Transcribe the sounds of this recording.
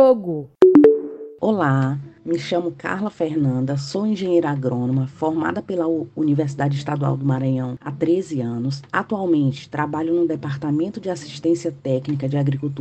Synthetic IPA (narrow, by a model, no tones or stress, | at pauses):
oɡʊ | olamɪʃɐ̃mʊka̰hlɐfeɾnɐ̃nd̪ɐsoĩʒẽɲejɾɐaɡɾõnõmɐfɔɾma̰d̪ɐpelɐuniveɾs̬id̪ad͡ʒɪiʃt̪ad̪ua̰wd̪ʊmaɾɐ̃ɲɐ̃w̃a̰t̪ɾezɪɐ̃nʊsat̪uawmẽnt͡ʃɪ̥t̪ɾabaʎʊnʊd̪ɛpaɾt̪amẽnt̪ʊd͡ʒɪasi̥ʃt̪ẽsiɐt̪ɛknikɐd͡ʒɪaɡɾikut̪u